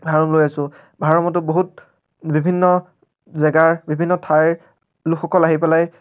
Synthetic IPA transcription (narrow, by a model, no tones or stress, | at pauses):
bʱaɹɔmlojasʊ̃ | bʱaɹɔmɔt̬ʊboɦut̚ | bibʱinːɔ | zɛɡaɹbibʱinːɔtʰaj | lukxɔkɔlaɦipɛlaj